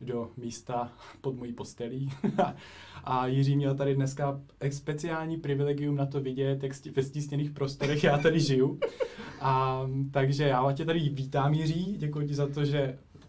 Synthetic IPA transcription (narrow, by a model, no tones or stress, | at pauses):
do̞miːst̪apod̪mojiːpo̞st̪ɛliː | ʔajɪriːmɲɛlt̪aɾɪdnɛskaɛspɛt͡sɪaːlɲiːpɾɪvɪlɛɡɪjumnat̪o̞vɪɟɛt̪jakscɪvɛsciːsɲɛniːxpɾo̞st̪oɾɛxjaːt̪adɪʒɪjuʔat̪aɡʒɛjaːacɛt̪aɾɪviːt̪aːmjɪriːɟɛkujuc̬ɪzat̪o̞ʒɛ